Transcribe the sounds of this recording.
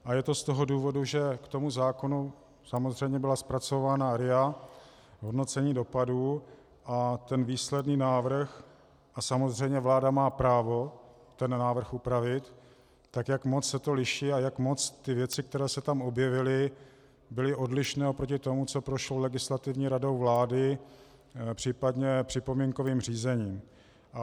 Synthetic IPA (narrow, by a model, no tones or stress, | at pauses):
ʔajɛt̪o̞st̪o̞ɦo̞duːvo̞duʒɛkt̪o̞muzaːko̞nu | samozr̝ɛjmɲɛbɪlaspɾat͡so̞vaːnaɾɪa | ɦo̞dno̞t͡sɛɲiːdo̞paduː | ʔat̪ɛnviːslɛdniːnaːvɾ̩x | ʔasamo̞zr̝ɛjmɲɛvlaːdamaːpɾaːvo̞ | t̪ɛnːaːvr̩xupɾavɪt̪ː | akjakmo̞t͡ssɛt̪o̞lɪʃiːajakmo̞t͡st̪ɪvjɛt͡sɪk̚t̪ɛɾɛːsɛt̪amʔo̞bjɛvɪlɪ | bɪlɪʔo̞dlɪʃnɛːopɾo̞cɪt̪o̞mut͡so̞pɾoʃlo̞wlɛɡɪslat̪ɪvɲiːɾado̞wvlaːdɪ | pr̝̥iːpadɲɛpr̥ɪpo̞miŋko̞viːmr̝iːzɛɲiːm | ʔa